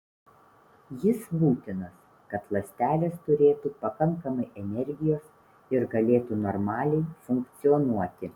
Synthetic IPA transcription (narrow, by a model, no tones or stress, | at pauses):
jɪsbuːt̪ʲɪnos | kɐt̪lˠɐsʲt̪ʲæːlʲeːst̪ʊɾʲeːt̪uːpɐkɐŋˑkɐmɐɪʔɛnʲɛɾʲɡʲɪjoːs | ɪɾɡɐlʲeːt̪unɔɾmɑːlʲɛɪfʊŋkt̪sʲɪjɔnuɔt̪ʲɪ